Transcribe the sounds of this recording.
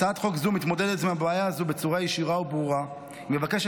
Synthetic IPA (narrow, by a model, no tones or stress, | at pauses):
aat̪χo̞kzumit̪mod̪e̞d̪etmeabeajaazube̞t͡suʁajeʃiʁaubʁuʁa | imevakeʃ